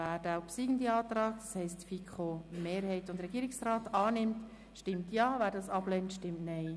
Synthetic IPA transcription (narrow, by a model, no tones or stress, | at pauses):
æːɾd̥aʊpsiːɡ̥ən̩diɑːtrɑːɡ̥̚d̥ɑshɛɪstfikʰχomeːɾhɛɪtʊndɾɛɡiːɾɪksraːtɑːnɪmt | ʃtɪmtjɑːvæːɾdɑsɑb̥lɛntʃtɪmtnɛɪ